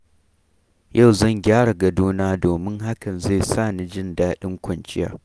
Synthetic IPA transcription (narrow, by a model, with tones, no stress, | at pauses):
ja˦˨wzɐ˦˨ŋɡʲaː˦ɽa˨ɡɐ˨duː˦naː˦doː˨mɪ˦ŋɦa˦kɐ˨nza˦˨saː˦˨ni˨d͡ʒɪ˦ndaː˦ɗɪ˦ŋkʷɐ˨nt͡ʃɪ˦ja̰ː˨˦